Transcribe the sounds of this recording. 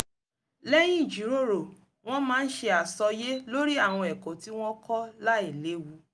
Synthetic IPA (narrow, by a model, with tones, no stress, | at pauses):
lɛ˦j̃ĩ˦˨d͡ʒi˨˦ɾo˦˨ɾo˨ | w̃ɔ̃˦mãː˦˧n̩˦ʃe˧a˨sɔ˧je˦lo˦ɾi˦a˦˨w̃ɔ̃˧ɛ˨kõ˨˦ti˦w̃ɔ̃˦kɔ˦la˦i˦˨le˨˦wu˧